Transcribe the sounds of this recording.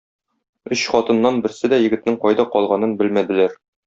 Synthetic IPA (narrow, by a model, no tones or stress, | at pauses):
ɵɕχɒt̪ɤ̆nːɑnbɘ̆ɾsɘd̪æjɘ̆ɡɘ̆t̪̚nɘŋqɒjd̪ɑqɒlˠʁɑnɤnbɘlmæd̪ɘ̆læɾ